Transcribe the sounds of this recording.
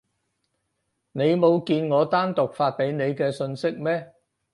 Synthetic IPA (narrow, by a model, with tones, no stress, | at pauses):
ne˨˧jmo˨˧wkiː˧nŋɔː˨˧t̪aː˥nt̪ʊ˨k̚faː˧t̚pe˨˥jne˨˧jkɛː˧sɵ˧nsɪ˥k̚mɛː˥